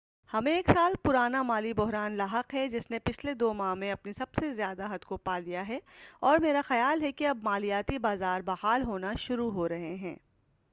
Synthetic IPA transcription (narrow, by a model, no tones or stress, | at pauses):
hɐmẽeːksaːlpʊɾaːnamaːlibʊɦɾaːnlaːɦəqɦɛd͡ʒɪsnepɪt͡ʃʰled̪oːmaːɦmẽɐpnisɐbsezjaːd̪aɦɐd̪kopaːlijaɦɛɔːɾmeːɾaxɐjaːlɦɛkeɐbmaːlijaːt̪ibaːzaːɾbaːhaːlɦoːnaʃʊɾuɦoɾɐɦeɦɛ̃ː